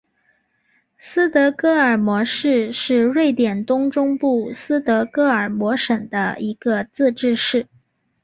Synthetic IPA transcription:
sɹ̩˥t̪ɤ˧˥kɤ˥ə˞˨˩mwɔ˧˥ʂɻ̩˥˧ʂɻ̩˥˧ɻe˥˩ɪt̪jɛ˨˩nt̪ʊ˥ŋʈ͡ʂʊ˥ŋpu˥˩sɹ̩˥t̪ɤ˧˥kɤ˥ə˞˨˩mwɔ˧˥ʂə˨˩ŋd̪ə̰˦i˧˥ɡ̥ə˧t͡sɹ̩˥˧ʈ͡ʂɻ̩˥˧ʂɻ̩˥˩

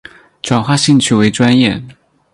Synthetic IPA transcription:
ʈ͡ʂwa˨˩nxwa˥˧ɕi˥˧ŋt͡ɕʰy˥˩we˧˥ɪʈ͡ʂwa˥njɛ˥˩

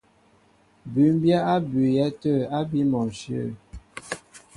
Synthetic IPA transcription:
bʉ˨˦m˦bja˦a˦bʉ˨jɛ˦tə˦˨a˦bi˦mɔ˨ʃjə˦˨

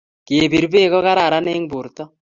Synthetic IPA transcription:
ke˨bi˨ɾbe˦˨kɔ˦ka˦ɾa˨ɾa˦ne˦ŋbu˨ɾt̪ɔ˦

